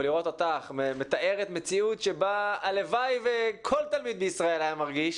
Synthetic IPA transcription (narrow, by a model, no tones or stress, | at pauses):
liʁo̞t̪at̪aχmemet̪aʔe̞ʁet̪me̞t͡siutʃe̞baalevajvekʰo̞lt̪almid̪beisʁae̞lhajamaʁɡiʃ